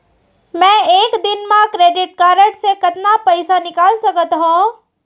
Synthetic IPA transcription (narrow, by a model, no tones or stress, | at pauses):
mɛ̃ːeːkd̪ɪnmãkɾeːɖɪʈ̚kaːɾəʈsekɐt̪napəɪsanɪkaːlsɐkət̪ɦõ